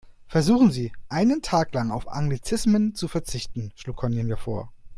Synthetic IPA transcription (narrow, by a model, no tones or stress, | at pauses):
fɛɐzuːxn̩ziːʔaɪnəntʰaːklaŋaʊfa̰ŋɡlit͡sɪsmənt͡sufɛɐt͡sɪçtn̩ʃluːkʰɔnənviːɐfoːɐ